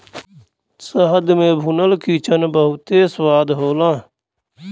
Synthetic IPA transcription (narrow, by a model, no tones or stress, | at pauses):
səɦəd̪mẽːbʱunəlkiːt͡ʃənbəɦʊt̪eːswaːd̪ɦoːlãː